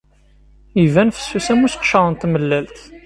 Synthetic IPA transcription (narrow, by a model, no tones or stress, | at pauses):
ivænfə̥sːusæmusəqʃɑðˤənt̪məlːælt̪